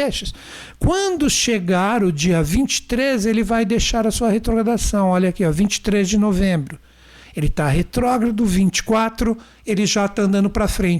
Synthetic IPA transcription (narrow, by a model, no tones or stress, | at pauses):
eʃɪs | kwɐ̃d̪ʊʃeɡaɾʊd͡ʒiɐvĩnt͡ʃɪ̥t̪ɾezelɪvajd̪eʃaɾɐsuɐhet̪ɾoɡɾad̪asɐ̃w̃ɔʎɐakiɔvĩnt͡ʃɪ̥t̪ɾezd͡ʒɪnovẽmbɾʊ | elɪt̪aɦet̪ɾɔɡɾad̪ʊvĩnt͡ʃɪ̥kwat̪ɾʊ | elɪʒat̪aɐ̃nd̪ɐ̃nd̪ʊpɾɐfɾẽt͡ʃ